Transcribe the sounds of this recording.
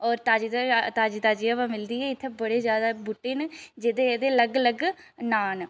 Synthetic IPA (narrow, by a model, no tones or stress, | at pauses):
ɔːɾt̪aːd͡ʒid̪t̪aːd͡ʒiːt̪aːd͡ʒiːabãːmɪld̪iːɦɛːɪt̪ʰːeːbəɽeːzjaːd̪aːbʊʈeːnd͡ʒed̪eeːd̪eːləɡləɡ | naːn